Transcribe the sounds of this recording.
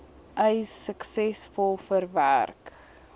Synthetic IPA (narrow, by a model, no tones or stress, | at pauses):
ʔəjsəksɛsfɔlˠfərvæ̰rk